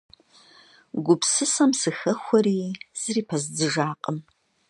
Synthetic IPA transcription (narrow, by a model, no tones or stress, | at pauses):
ɡʷʊpsɨsɐmsɨxɐxʷɔɾiːz̥ɨriːpʰɐzd͡zɨʒaːqʼəm